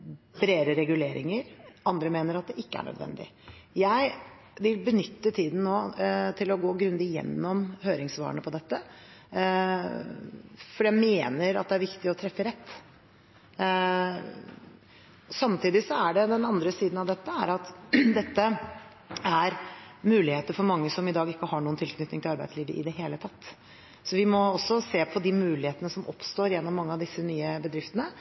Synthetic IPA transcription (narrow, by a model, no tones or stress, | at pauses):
bɾeːɾəɾɛɡʉleːɾɪ̰ŋəɾɑnd̪ɾəmeːnəɾɑt̪̚d̪ɛʔɪkːəæ̰ɳœ̰d̪ʋɛ̰nd̪ɪ̰jæɪ | ʋɪlbənʏt̪ːət̪ʰiːd̪n̩noːt̪ʰɪlɔɡoːɡɾʉnd̪ɪjɛ̰nːɔmhøːɾɪŋsʋɑ̰ːɳəpʰɔd̪ɛt̪ːə | fɔɖjæmeːnəɾɑ̰t̪d̪ɛæɾʋɪkt̪ɪɔt̪ʰɾɛfːəɾɛt̪ː | sɑmt̪ʰiːd̪ɪsɔæɖɛd̪ɛnɑnd̪ɾəsiːd̪nɑʋd̪ɛt̪ːəæɾɑt̪d̪ɛt̪ːə | æɾmʉːlɪheːt̪əɾfɔɾmɑŋːəsɔmɪd̪ɑːɡɪkːəhɑɳuːənt̪ʰɪlkʰnʏt̪nɪŋt̪ɪlɑɾbæɪd̪sliːʋə̰ʔɪ̰d̪ɛɦeːlət̪ʰɑt̪ː | sɔʋɪmɔɔsːɔseːpʰɔd̪ɪmʉːlɪheːt̪ənəsɔmʔɔ̰pst̪oːɾjɛnːɔmːɑŋːəɑʋd̪ɪsːənyːəbəd̪ɾɪft̪ənə